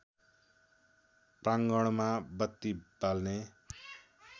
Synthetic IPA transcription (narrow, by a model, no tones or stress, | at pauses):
praŋɡʌɽ̃mabʌt̪ːibalne